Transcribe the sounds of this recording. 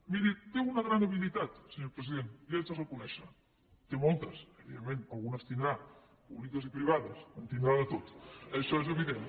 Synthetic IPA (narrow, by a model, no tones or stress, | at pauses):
miɾit̪eunəɣɾanəβilit̪at̪səɲoɾpɾəiðenlezəzəkunɛʃə | t̪emɔlˠt̪əsəβiðemːẽnəlˠɣunəst̪ind̪ɾa | puβlikəzipɾiβ̞aðəsənt̪ind̪ɾaðət̪ot̪əʃɔezəβiðen